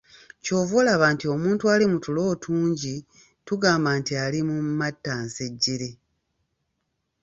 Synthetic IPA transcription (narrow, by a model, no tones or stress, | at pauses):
co̞ːvolaβaːntio̞muːntualimutulo̞ːtʰuːɲɟi | tuɡaːmbaːntialimumatːaːnseɟːiɾe̞